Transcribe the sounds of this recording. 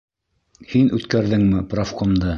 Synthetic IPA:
hinʉt̪kæɾðɘŋmɘprafqomd̪ɤ

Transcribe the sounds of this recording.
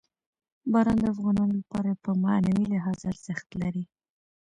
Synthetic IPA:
bɑɾɑnd̪əafɣɑnɑnolapɑɾapəma̰nawilɪɦɑzaɾz̥ɪxt̪laɾi

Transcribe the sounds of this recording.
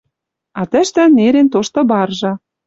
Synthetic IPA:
ɑt̪ɘ̆ʃt̪ɘ̆neɾent̪oʃt̪ɤ̆bɑrʒɤ̆

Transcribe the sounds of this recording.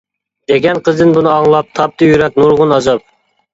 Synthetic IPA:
d̪̥eɡʲɛnqʰəzd̪ɪnbunɨɑŋlˠɑp̚t̪ʰɑp̚t̪ʰɨjyɾɛk̚ʲnuɾʁʊnɑzɑp̚

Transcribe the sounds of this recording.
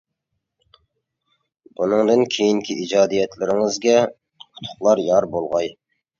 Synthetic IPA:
bunɨŋd̪ɨnkʲʰejiŋkʲʰiʔid͡ʒɑːd̪ijɛt̪lɪɾɪŋɪzɡʲɛ | ʊ̥t̪ʰʊ̥χlˠɑɾjɑɾbolˠʁɑj

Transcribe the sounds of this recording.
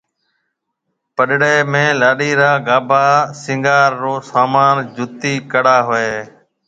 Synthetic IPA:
pəɗɽeːmẽːlaːɗiːɾaːɡaːbʱaːsɪ̃ŋɡaːɾːoːsaːmaːnd͡ʒʱʊt̪iːkəɽaːɦoeː

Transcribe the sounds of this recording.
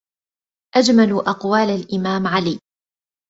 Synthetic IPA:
ʔad͡ʒmalʔɑqwaːlalʔɪmaːmʕaliː

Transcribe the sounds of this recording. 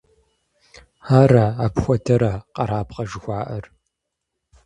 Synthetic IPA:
aːɾɐaːpxʷɔdʰɐɾɐqɐɾaːpqɐʒɪxʷaːʔɐr

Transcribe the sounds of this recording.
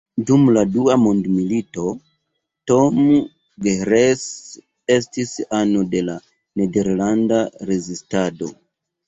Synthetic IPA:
dumladuamondmilito̞ | to̞m | ɡeɾes | e̞stisanode̞la | ne̞de̞ɾlandaɾe̞zistado̞̰

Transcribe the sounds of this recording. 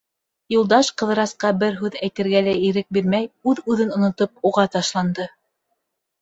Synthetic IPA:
julˠd̪ɑʃqɤ̆ðɾɑsqɑbɘɾɦʉðæjt̪ɘ̆ɾɡælæiɾɘk̚biɾmæjʉðʉðɘnŏnŏt̪op̚uʁɑt̪ɑʃlˠɑnd̪ɤ

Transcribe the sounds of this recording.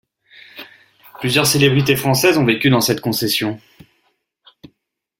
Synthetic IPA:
plyzjœʁselebʁit̪̬efχɑ̃sɛzɔ̃vekʲyd̪ɑ̃sɛt̪kɔ̃sɛsjɔ̃

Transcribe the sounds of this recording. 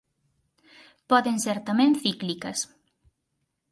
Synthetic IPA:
pɔðenseɾt̪amɛ̃nθiklikɐs

